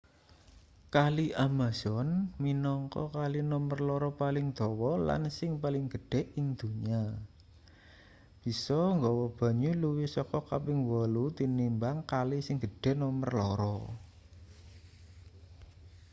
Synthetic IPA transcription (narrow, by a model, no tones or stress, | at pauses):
kaliʔamaz̥ɔnminɔŋkɔ̰kalinɔmərlɔɾɔpalɪŋd̪̥ɔ̤wɔla̰nsɪŋpalɪŋɡ̥ə̤ɖ̥ɛ̤iŋd̪̥ṳɲa | b̥i̤sɔŋɡɔwɔb̥a̤ɲuluwisɔkɔkapɪŋwɔlut̪inimbaŋkalisɪŋɡ̥əɖ̥ɛ̤nɔmərlɔ̰ɾɔ